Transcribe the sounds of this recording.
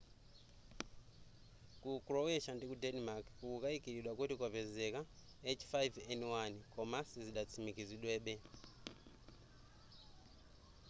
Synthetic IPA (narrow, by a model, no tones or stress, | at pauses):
kukroweʃandikudenimakuukaikiɾiɗwakutikapezeka | et͡ʃfajvenwankomasiziɗat͡sʰimikiziɗwɛːɓɛ